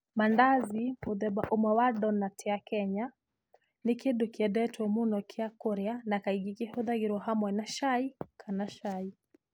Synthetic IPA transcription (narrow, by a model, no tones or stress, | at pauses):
mandazimuðɛbaʔumawaɗɔnatʰɛakɛɲa | nikiɗukiɛdɛtuɔmunɔkʰiakuɾjanakaiɡikihuðaɡiɾuɦamwɛnaʃaikʰanaʃai